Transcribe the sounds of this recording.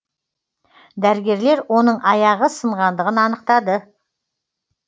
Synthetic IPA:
d̪æɾɪɡʲe̞ɾle̞ɾwo̞nəɴɑjɑʁəsəɴʁɑnd̪əʁənɑnəq̚t̪ɑd̪ə

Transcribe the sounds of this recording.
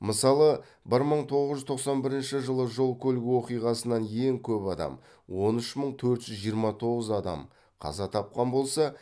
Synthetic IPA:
məsɑlˠə | bɪɾməɴt̪ʰo̞ʁəzʒʏzt̪ʰo̞qsɑnbɪɾɪnʃɪʒəlˠəʒo̞lˠkʲʰɵlɡʲɪwo̞qijʁɑsənɑnjeŋkʲʰɵpɑd̪ɑ̰m | wo̞nʏʃməɴt̪ʰɵɾt̪ʒ̥ʏzʒijəɾmɑt̪ʰo̞ʁəzɑd̪ɑ̰m | qʰɑ̰zɑt̪ʰɑp̚qɑnbo̞lˠsɑ

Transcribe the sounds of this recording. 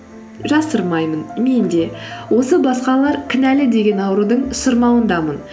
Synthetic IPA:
ʒɑsəɾmɑjmənme̞nd̪e̞wo̞səbɑsqɑllˠɑɾkʲʰɪnælɪd̪e̞ɡʲe̞nɑwəɾud̪əɴsəɾmɑwənd̪ɑmən

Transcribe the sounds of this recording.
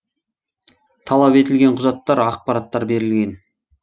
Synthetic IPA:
t̪ʰɑlˠɑpe̞t̪ɪlɡʲeɴqʰʊzɑt̪ːɑɾɑq̚pɑɾɑt̪ːɑɾbe̞ɾɪlɡʲe̞n

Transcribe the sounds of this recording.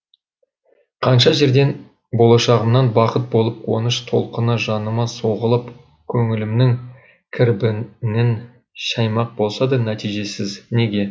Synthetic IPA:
qʰɑnʃɑʒe̞ɾd̪e̞n | bo̞lˠɑʃɑʁəmnɑnbɑqət̪̚bo̞lˠəpwo̰nəʃt̪ʰo̞̰lˠqənəʒɑnəmɑso̞ʁəlˠəp | kʲʰɵŋɪlɪmnɪŋ | kʲʰɪɾbɪnɪn | ʃɑjmɑq̚bo̞lˠsɑd̪ɑnæt̪ijʒe̞sɪzne̞ɡʲe̞

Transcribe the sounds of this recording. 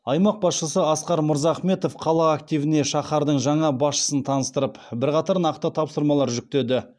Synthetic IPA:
ɑjmɑq̚bɑsʃəsəɑsqɑɾmʊɾzɑχme̞t̪o̞fqʰɑlˠɑːk̚t̪ijvɪne̞ʃɑχɑɾd̪əɴʒɑɴɑbɑsʃə̥sənt̪ʰɑnəst̪əɾəpbɪɾqɑt̪ɑɾnɑqt̪ət̪ʰɑpsəɾmɑlˠɑɾʒʏk̚t̪e̞d̪ɪ

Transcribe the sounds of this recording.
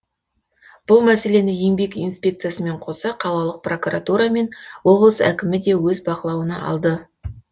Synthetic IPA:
b̥ʊlˠmæse̞le̞nɪje̞ŋbe̞kinspʲe̞k̚t̪sɨjasəme̞ɴqʰo̞sɑqʰɑlˠɑlˠəq̚pro̞kuɾat̪uɾɑme̞nwo̞blˠəsæ̰kʲɪmɪd̪e̞wɵzbɑqəlˠɑwənɑɑ̰lˠd̪ə

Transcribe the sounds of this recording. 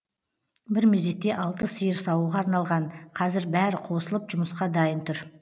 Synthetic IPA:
bɪɾmezd̪e̞t̪ːe̞ʔɑlˠt̪əsəjəɾsɑwuʁɑɑɾnɑlˠʁɑɴqʰɑzɪɾbæɾɪqʰo̞səlˠəpʒʊməsqɑd̪ɑjənt̪ʰʊɾ

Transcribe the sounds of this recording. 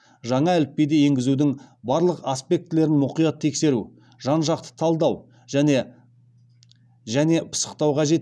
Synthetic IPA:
ʒɑɴɑælɪp̚pːe̞jd̪eje̞ŋɡʲɪzud̪ɪŋbɑɾlˠəqaspʲe̞k̚t̪ːɪle̞ɾɪnmʊqijɑt̪ʰːe̞kse̞ɾu | ʒ̥ɑnʒɑq̚t̪ə̥t̪ʰɑlˠd̪ɑw | ʒæne̞ | ʒæne̞pʰə̥sə̥qt̪ɑwqɑʒe̞t̪

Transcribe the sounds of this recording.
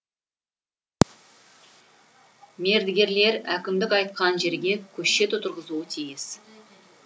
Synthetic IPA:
me̞ɾd̪ɪɡʲe̞ɾle̞ɾækʲɪmd̪ɪkɑjt̪̚qɑnʒe̞ɾɡʲe̞kʲʰɵʃe̞t̪ʊt̪ʰʊɾʁəzuət̪ʰijɪs

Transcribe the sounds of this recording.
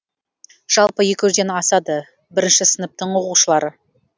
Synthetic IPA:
ʒ̥ɑlˠpəje̞kʲwɪzd̪enɑsɑd̪ə | bɪɾɪnʃɪsənəp̚t̪əɴwo̞quʃəlˠɑɾə

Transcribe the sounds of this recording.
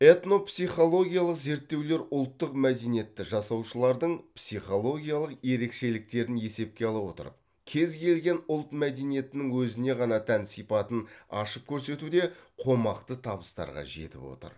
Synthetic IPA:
e̞t̪no̞psijχo̞lˠo̞ɡʲijalˠəqze̞ɾt̪ːe̞wle̞ɾʊlˠt̪ːəqmæd̪e̞nije̞t̪ːɪʒɑsɑwʃəlˠɑɾd̪əɴpsijχo̞lˠo̞ɡʲijɑlˠəqje̞ɾe̞kʃe̞lɪk̚t̪e̞ɾɪne̞se̞p̚kʲe̞ɑlˠɑwo̞̰t̪ə̰ɾə̰p̚ | kʲʰe̞zkʲe̞lɡʲe̞nʊlˠt̪mæd̪e̞nije̞t̪ɪnɪŋwɵzɪne̞ʁɑnɑt̪ʰænsijpɑt̪ənɑ̰ʃəp̚kʲʰɵɾse̞t̪ud̪e̞qʰo̞mɑqt̪ət̪ʰɑbəst̪ɑ̰ɾʁɑ̰ʒe̞̰t̪ɪ̰po̞̰t̪ə̰ɾ

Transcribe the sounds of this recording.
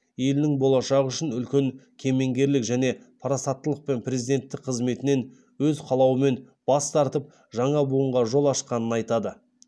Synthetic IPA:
je̞lɪnɪŋbo̞lˠɑʃɑʁəʏʃɪnʏlkʲe̞ŋkʲʰe̞me̞ŋɡʲe̞ɾlɪkʒæne̞pʰɑɾɑsɑt̪ːəlˠəq̚pe̞npʰrʲe̞zid̪e̞nt̪ːɪk̚qʰəzme̞t̪ɪne̞n | wɵzqʰɑlˠɑwəme̞n | b̥ɑst̪ɑɾt̪əp̚ | ʒɑɴɑbuəɴʁɑʒo̞lˠɑʃqɑnənɑjt̪ɑd̪ə

